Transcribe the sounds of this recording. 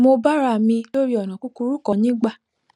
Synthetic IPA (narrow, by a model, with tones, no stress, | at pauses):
mo˧ba˦ɾa˦˨mĩ˧lo˦ɾi˦ɔ˨nã˨ku˦ku˧ɾu˦kɔ˧nĩ˦ɡ͡ba˦˨